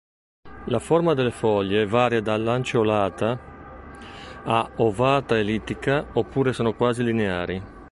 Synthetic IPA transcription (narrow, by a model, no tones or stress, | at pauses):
laformad̪elefɔʎːevaːɾjad̪alːant͡ʃolaːt̪a | aovaːt̪aelit̪ːikaopːuːɾesoːnokwaːzilineaːɾi